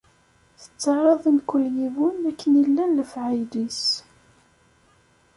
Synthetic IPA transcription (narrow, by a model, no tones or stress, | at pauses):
θə̥t͡sːɑʕɑðˤənkəljivʊnækːənilːænləfʕajlis